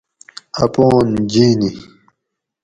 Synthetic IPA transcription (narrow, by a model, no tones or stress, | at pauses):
ɐpoːnd͡ʑiːni